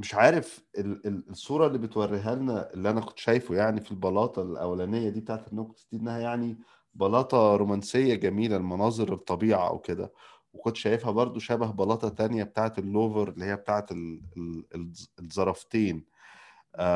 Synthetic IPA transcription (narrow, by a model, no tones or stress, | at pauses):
meʃʕaːɾef | elelesˤːuːɾˤɑelːiːbet̪wærːeɦælnæʔelːiʔænækont̪ːʃæːjfjaʕnifilbɑlɑːt̪ˤɑlʔæ̰wːælænejːæd̪iːbet̪aʕet̪enːæːkot̪esd̪iːd̪næhæjaʕni | bɑlɑːt̪ˤɑɾomænsejːæɡæmiːlælmɑnɑːzˤeɾet̪ˤːɑbiːʕa̰ʔæ̰wked̪æ̰ | wekont̪ʃæːjefhæbɑɾˤd̪ˤoʃæbæɦbɑlɑːt̪ˤɑt̪ænjæbet̪aːʕet̪elːoːveɾelːihejːæbet̪aːʕet̪eleeezˤɑɾˤɑft̪eːn | ʔ